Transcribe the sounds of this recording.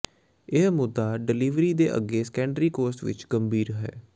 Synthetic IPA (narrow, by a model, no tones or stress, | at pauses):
ɪɦmʊd̪ːaːɖɪliːʋɾiːd̪eːʔə̰ɡːeːsə̥kɛ̃ːɳɖɾiːkoːɾsʈʋɪ̰t͡ʃɡəmbiːɾɦɛ̰ː